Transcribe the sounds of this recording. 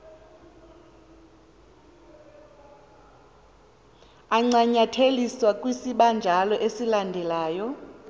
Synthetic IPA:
aŋ͡ǀaɲatʰeliswakʼwisiɓand͡ʒʱalɔʔesilandʱɛlaːjɔ

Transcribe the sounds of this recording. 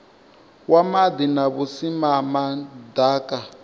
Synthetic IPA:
wamad̪inaβusimamadaːkʼa

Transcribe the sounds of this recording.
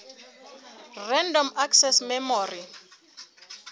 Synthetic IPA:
rɛndɔmaksɛsmɛmɔːri

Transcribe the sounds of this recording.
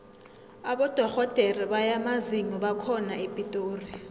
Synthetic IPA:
aɓɔd̥ʱɔxɔd̥ʱeriɓajamaziŋɔɓakʰɔnaipʼitʼoːri

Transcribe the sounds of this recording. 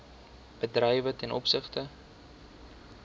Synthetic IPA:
b̥ədrɛjvətɛnɔpsəχtə

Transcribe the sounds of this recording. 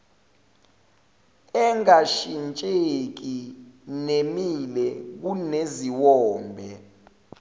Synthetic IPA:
ɛŋaʃint͡ʃʼek̬inemilɛk̬uneziwɔːmbʱɛ

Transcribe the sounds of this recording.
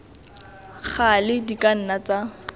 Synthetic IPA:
k͡xʰalɪdikʼan̩nat͡sa

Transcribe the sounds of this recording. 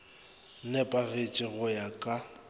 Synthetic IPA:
nɛpʼaɣet͡ʃʼɪɣʊjakʼa

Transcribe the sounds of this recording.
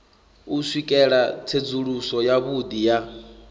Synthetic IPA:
uswikʼɛɺat͡sʰed͡zuɺusɔjaβud̪ija

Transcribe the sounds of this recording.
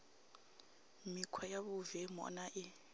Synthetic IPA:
mikʰwajaβuvɛmɔ̰naʔɪ

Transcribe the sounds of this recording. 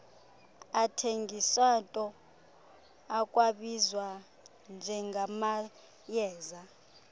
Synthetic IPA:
atʰeŋɡiswatʼɔ | akʼwaɓizwa | nd͡ʒʱɛŋɡʱama | jɛːza

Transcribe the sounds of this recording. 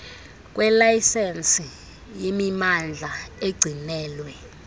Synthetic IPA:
k̬ʼwɛlajsɛnsi | jemimand͡ɮʱaeɡ͡ǀʱinɛːlwɛ

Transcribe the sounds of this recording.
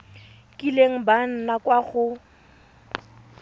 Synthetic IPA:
kʼileŋ̩ban̩nakwaχʊ

